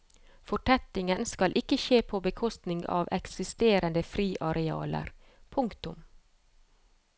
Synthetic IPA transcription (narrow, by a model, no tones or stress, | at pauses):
fɔʈʰɛt̪ɪŋənskɑlʔɪkəʃeːpʰoːbəkʰɔst̪nɪŋɡɑ̰ːʋɛksɪst̪eːɾənd̪əfɾiːʔɑɾɛɑ̰ːlə̰ɾ | pʰʊŋkt̪ʊm